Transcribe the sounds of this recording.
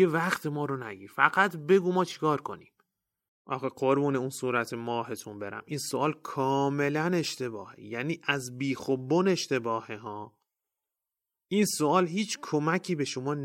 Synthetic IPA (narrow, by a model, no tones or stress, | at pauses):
evæxt̪ʰemɒːɾonæɡiːɾfæ̰ɡæt̪ʰbe̞ɡuːmɒːt͡ʃʰi̥kʰɒːɾkʰo̞̰niːm | ʔɒ̰ːxeɢoɾbuːneunsuːɾæt̪ʰemɒːɦe̞t̪ʰunbe̞ɾæ̰mʔiːnsoʔɒːlkʰɒːme̞læne̞ʃt̪e̞bɒːhḛjæniːʔæzbiːxobːone̞ʃt̪e̞bɒːheɦɒː | ʔiːnsoɒːlɦiːt͡ʃʰkʰomæcʰiːbe̞ʃomɒːn